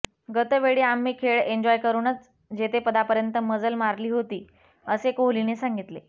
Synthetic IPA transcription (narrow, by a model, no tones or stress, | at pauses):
ɡət̪əʋeɽiːamːiːkʰeɭeɲd͡ʑɔjkəɾuːnət͡s | d͡ʑet̪ʰepəd̪apəɾjənt̪əməd͡zəlmaɾliːɦot̪iː | əsekoɦlinesãŋɡit̪le